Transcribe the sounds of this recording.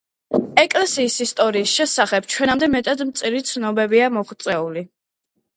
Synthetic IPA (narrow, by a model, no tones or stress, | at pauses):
ɛkʼlɛsiːsist̪ʼɔɾiːsʃɛsaχɛbt͡ʃʰwɛnamd̪ɛmɛt̪ʼad̪mt̪sʼiɾit̪sʰnɔbɛbiamɔʁt̪sʼɛuli